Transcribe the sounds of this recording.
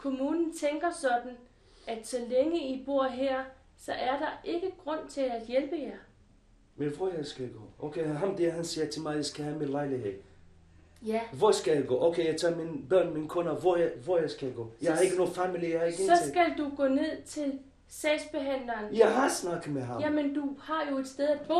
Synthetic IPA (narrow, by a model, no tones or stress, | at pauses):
kʰo̝muːnn̩t͡sʰeŋɡ̥ɐsɒ̽d̥n̩ | ʔæd̥sɒ̽leŋəib̥o̝ɐ̰ɦeɐ̰ | sɒ̽ʔæɐd̥ɑ̈ʔe̝ɡ̥əɡ̥ʁɔ̽n̰t͡sʰe̝læd̥jelb̥əjæ | menʋɒjɑɪsɡ̥æɡ̥o̰ːʔokʰeɦɑmd̥eɐɦænsiːɐt͡sʰe̝lmɑ̈ɪasɡ̥æhæminlɑ̈ɪliheð̰ˠ | ʋɒsɡ̥æjaɪɡ̥o̰ːʔoʊkʰejaɪt͡sʰɑminb̥ɶɐ̰nminkʰɔ̽nɐʋɒjʋɒjɑ̈ɪsɡ̥æɡ̥ɔ̰ːjahɑ̈e̝ɡəno̝ːð̩ˠfæmilijahɑeɡ̥eɒ̽sɡ̥æld̥uɡ̥ɔ̰ːne̝ð̞̰ˠt͡sʰe̝l | sɛːsb̥e̝ɦæn̰lɐːnjɑɪɦɑsnɑ̈ɡ̥ð̩ˠmeɦɑmjæmend̥uhɑ̈jo̝e̝d̥sd̥eð̞ˠæd̥b̥ɔ̰